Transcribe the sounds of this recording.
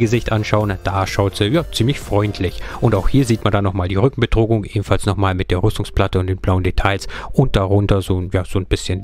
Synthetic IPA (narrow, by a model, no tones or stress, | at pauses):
ɡəzɪçtʔanʃaʊənd̥aːʃaʊtz̥əjaːt͡siːmlɪçfʁ̥ɔʏntʰlɪçʔʊntaʊxhiːɐziːtmandanɔχmaːldiːʁʏkŋ̩bədʁ̥oːɡʊŋʔeːbm̩falsnɔχmaːlmɪt̚d̥eːɐʁʏstʊŋspl̥atəʊntd̥eːnblaʊəndetʰaɪlsʔʊnt̚d̥aʁʊntɐzoːjaːz̥oːnb̥ɪsçən